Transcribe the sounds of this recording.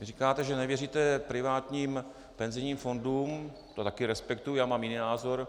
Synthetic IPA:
ɪrikaːt̪ɛʒɛnɛvjɛriːt̪ɛpɾɪvaːt̪ɲiːm | pɛnzɪjɲiːmfo̞nduːm | t̪ot̪akɪɾɛspɛkt̪ujjaːmaːmjɪniːnaːzo̞ɾ

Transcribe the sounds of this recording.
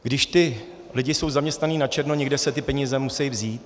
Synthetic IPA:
ɡdɪʃt̪ɪ | lɪɟɪso̞wzamɲɛst̪naniːnat͡ʃɛɾnoɲɛɡdɛsɛt̪ɪpɛɲizɛmusɛjvziːt̪

